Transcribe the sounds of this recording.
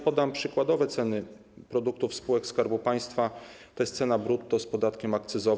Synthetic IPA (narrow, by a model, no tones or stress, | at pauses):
pɔd̪ampʂɘkwad̪ɔvɛt̪sɛnɘ | pɾɔd̪uk̚t̪ufspuwɛkskaɾbupaj̃st̪fat̪ɔɛst̪sɛnabɾut̪ːɔspɔd̪at̪kʲɛmak̚t̪sɘzɔ